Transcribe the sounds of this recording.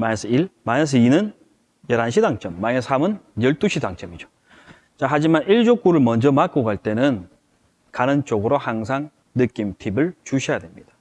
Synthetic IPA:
mansʰɯiɭmanʌs̬ʰɯinɯn | jʌɾanɕʰidaŋt͡ɕ͈ʌmːanesamɯnjʌɭt͈uɕʰidaŋt͡ɕ͈ʌmid͡ʑo | t͡ɕaɦad͡ʑimaniɭd͡ʑok͈uɾɯɭmʌnd͡ʑʌmakk͈oɡaɭt͈e̞nɯn | kanɯnt͡ɕ͈oɡɯɾohaŋs̬ʰaŋ | nɯk͈imtʰibɯɭt͡ɕuɕʰijadwe̞mɲid̥ḁ

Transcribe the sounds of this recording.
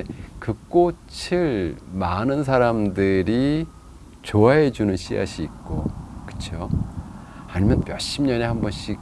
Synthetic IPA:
ekɯk͈o | t͡ɕʰiɭmanɯns̬ʰaɾamdɯɾi | t͡ɕoaɦe̞d͡ʑunɯnɕʰia̰ɕʰiːk̚k͈okɯ̥t͡ɕʰo | aɲimjʌnmjʌɕ͈imɲʌne̞hambʌnɕ͈i

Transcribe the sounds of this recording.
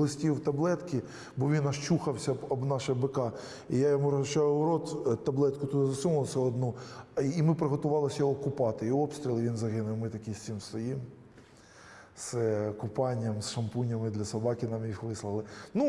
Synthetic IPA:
lˠɔsʲtʲiwt̪ɐblˠɛt̪kʲɪ | bɔʋʲinɐʃt͡ʃuxɐwsʲɐɔbnɑʃɛbɪkɑ | ijajɔmuɾɔɐt͡ʃɑjʊɾɔt̪t̪ɐblˠɛt̪kʊt̪ut̪zɐsumɐlˠsɛɔd̪nuː | mɪpɾeɦɔt̪ʊʋɑlˠɪsʲjɔɦɔkʊpɑt̪ɪiɔpst̪ʲɾʲilˠɪʋinzɐɦɪnʊjɛmɪt̪ɐkʲisʲt̪sʲɪmst̪ɐjim | skʊpɑnʲɪjɐmsʃɐmpunʲɐmɪd̪lʲɐsɐbɑkʲɪnɑmjixʋɪslˠɐlˠɪnu

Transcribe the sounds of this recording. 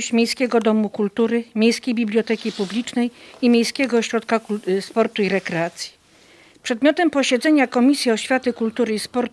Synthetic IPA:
ɕt͡ɕmʲejskʲɛɡɔd̪ɔmukult̪uɾɘmʲjejskʲejbʲiblʲɔt̪ɛkʲipublʲit͡ʂnɛjimʲjejskʲɛɡɔɕɾɔt̪kaspɔɾt̪uiɾɛkɾɛat̪sʲji̥ | pʂɛd̪mʲjɔt̪ɛmpɔɕɛd̪zɛɲakɔmʲisʲjiɔɕfʲjat̪ɘkult̪uɾɘispɔɾt̪

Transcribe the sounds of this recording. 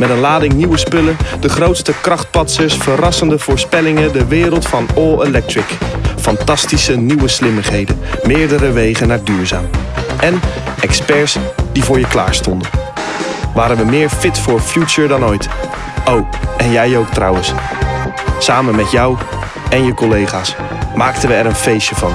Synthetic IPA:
mɛtənlaːdɪŋniʋəspɵləndəχrowtstəkrɑχt̚pɑtsəɹsfərɑsəndəv̥ʊːɹspɛlɪŋədəʋɪːɾəlˠtfɑnɔlˠelɛk̚tɹɪkfɑntɑstisəniʋəslɪməχɦejdənmɪːɹdəɾəʋejχənːaːɹdyːɹza̰ːmʔɛn | ɛkspɛɹsd̥ivʊːɹjəkla̰ːɹstɔndən | ʋaːɾənʋəmɪːɹfɪtfʊːɹfjut͡ʃəɹdɑnojt | owɛnjɛjowktrʌ̰wəns | saːmənmɛtjaw | ɛnjəkɔlejχaːs | maːk̚tənʋəɛɾənfejsəvɑ̰n

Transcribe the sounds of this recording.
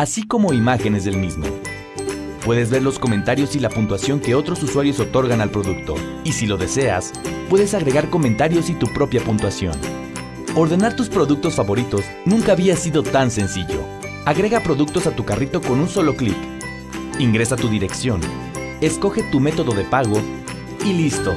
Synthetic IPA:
asiko̞mo̞imaxene̞zðelmizmo̞̰ | pwe̞ðe̞zβe̞ɾlo̞sko̞mẽ̞nt̪aɾjo̞silapunt̪wasjo̞ŋke̞o̞t̪ɾo̞suswaɾjo̞so̞t̪o̞ɾɣanalpɾo̞ðuk̚t̪o̞̰ | isilo̞ðe̞se̞a̰s | pwe̞ðe̞saɣɾe̞ɣaɾko̞mẽnt̪aɾjo̞sit̪upɾo̞pjapunt̪wasjo̞̰n | o̞ɾðe̞naɾt̪uspɾo̞ðuk̚t̪o̞sfaβo̞ɾit̪o̞z | nũŋkaːβiasiðo̞t̪anse̞nsiʝo̞̰ | aɣɾe̞ɣapɾo̞ðuk̚t̪o̞sat̪ukarit̪o̞ko̞nunso̞lo̞klḭp | iŋɡɾe̞sat̪uðiɾe̞ksjo̞n | e̞sko̞xe̞t̪ume̞t̪o̞ðo̞ðe̞paɣo̞ | ilist̪o̞̰

